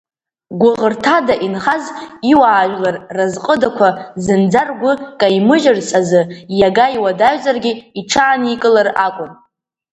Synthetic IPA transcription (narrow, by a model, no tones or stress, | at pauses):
ɡʷʊʁərtʰadaʔinχaziwaːʒʷᶣlarːazqʼədakʷʰazɨnd͡zarɡʷʊkʼajmɨʒɪrsʼazɨjaɡaiwadaʒʷzʼarɡʲiiʈ͡ʂʰaːnikʼɨlarakʷʼʊn